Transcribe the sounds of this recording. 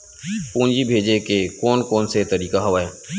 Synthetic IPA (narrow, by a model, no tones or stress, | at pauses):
pũːnd͡ʒibʱeːd͡ʒekekɔːnkɔːnset̪əɾiːkaɦɐʋaːeː